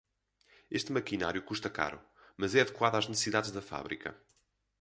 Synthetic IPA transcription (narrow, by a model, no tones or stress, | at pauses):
eʃt̪mɐkinaɾjukuʃt̪ɐka̰ɾṵ | mɐzɛɐðɨkwaðaʒnɨsɨsiðaðʒðɐfa̰βɾḭkɐ̰